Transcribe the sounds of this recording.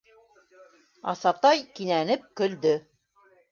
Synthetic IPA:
ɑ̰sɑp̚t̪ɑjkinænɘp̚kɵ̆ld̪ɵ

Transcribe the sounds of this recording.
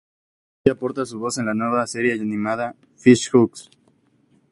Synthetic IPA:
apo̞ɾt̪as̬uβo̞se̞nlaneβase̞ɾjejanĩmaða | fiʃxuks

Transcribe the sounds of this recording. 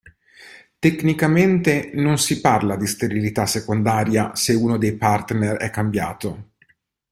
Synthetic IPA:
t̪eknikament̪enonsiparlad̪ist̪eɾilit̪asːekond̪aːɾjaseuːnod̪ejpart̪nerɛ̰kːambja̰ːt̪o

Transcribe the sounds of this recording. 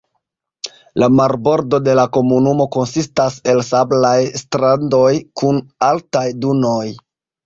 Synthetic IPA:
lamaɾbo̞ɾdo̞de̞lako̞munumo̞ko̞nsistase̞lsablajstɾando̞jkʰunaltajduno̞j

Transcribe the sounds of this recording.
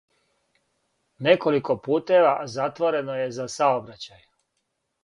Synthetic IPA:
ne̞ko̞liko̞puːt̪e̞ʋazat̪ʋo̞ɾe̞noje̞zasaobɾat͡ɕaj

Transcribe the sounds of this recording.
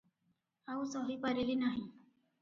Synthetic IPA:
ausɔɦiːpaɾiliːnaɦi

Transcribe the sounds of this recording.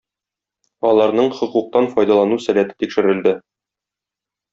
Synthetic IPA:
ɒlˠɑɾnɤɴχŏquq̚t̪ɑnfɒjd̪ɑlˠɑnusælæt̪ɘ̥t̪ikʃɘ̆ɾɘ̆ld̪ɘ

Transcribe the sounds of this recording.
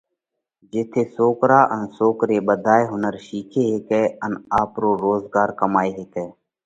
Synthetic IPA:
d͡ʒɪt̪ʰeːsoːkɾaːʔənsoːkɾeːbəd̪ʱaːeːɦʊnəɾʃiːkʰeːɦeːkɛːənaːpɾoːɾoːzɡaːɾkəmaːeːɦeːkɛː

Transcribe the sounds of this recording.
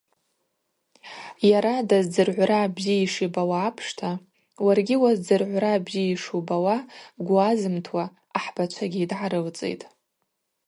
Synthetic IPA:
jaɾadazd͡zɨrʕʷraːbziiʂibawaːpʰʂtʰa | warɡʲiwazd͡zɨrʕʷraːbziiʂubawaɡʷuazɨmtʰwa | aħb̥at͡ʃʷʰaɡʲiːdʕaɾɨlt͡sʼḛjtʼ

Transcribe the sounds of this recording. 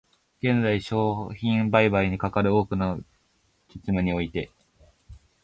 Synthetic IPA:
ɡ̥ẽ̞nd͡zaiɕo̞ːçĩmbaibaiɲ̟ikakaɾɯ̟oːkɯ̟na | kʲi̥t͡sɨmeɲ̟io̞it̪e̞

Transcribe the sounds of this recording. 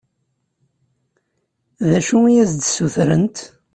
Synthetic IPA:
ðæʃuijæzd̪suθɾə̰nt̪

